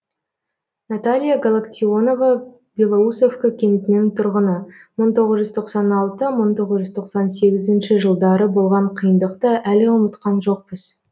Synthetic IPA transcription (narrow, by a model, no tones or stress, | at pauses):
nat̪alʲijaɡalˠakt̪ʲiono̞va | belˠousofkakʲʰe̞nt̪ɪnɪŋt̪ʰʊɾʁənəməɴt̪ʰo̞ʁəzʒʏzt̪ʰo̞qsɑnɑlˠt̪əməɴt̪ʰo̞ʁəzʒʏzt̪ʰo̞qsɑnse̞ɡʲɪzɪnʃɪʒəlˠd̪ɑɾəbo̞lˠʁɑɴqʰijənd̪əqt̪əʔælɪʊmət̪qɑnʒo̞q̚pɪz̥